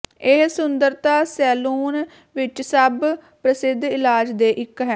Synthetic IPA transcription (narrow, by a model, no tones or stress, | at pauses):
eɦsʊnd̪əɾt̪aːsɛːluːn | ʋɪt͡ʃsəb | pɾəsɪd̪ɪlaːd͡ʒd̪eːʔɪkɦɛː